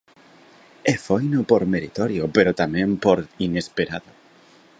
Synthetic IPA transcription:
efojnopoɾmeɾit̪oɾjopeɾot̪amẽmpoɾinespeɾaðo

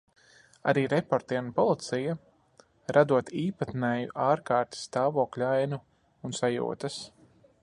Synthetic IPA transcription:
a̰ɾiːɾɛpɔɾt̪iɛmpɔlˠit̪sija | ɾʔad̪uɔt̪iːpat̪nɛjuʔaːɾkaːɾt̪i̥sːt̪aːvɔːklʲuajnuː | nsajṵːt̪ɐs

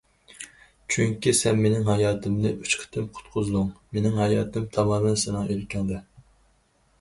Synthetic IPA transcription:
t͡ʃʰyŋkʲisɛnmenɪŋɦɑjɑːt̪ʰɪmnɨʔyt͡ʃqʰə̥t̪ʰɪmqʰʊ̥t̪qʰʊzɨd̪ʊŋmenɪŋɦɑjɑːt̪ɨmt̪ʰɑmɑmɨnsenɨŋelkʲʰɛŋd̪ɛ

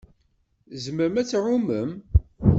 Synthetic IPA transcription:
zməɾəmæt͡sːɾuməm

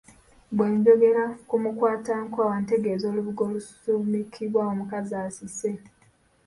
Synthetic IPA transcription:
bwe̞ːɲɟo̞ɡe̞ɾakumukwaːtaːŋkoawante̞ɡe̞ːzo̞ːluβuɡo̞ːlusumikʰiβwaomukazaːsise̞

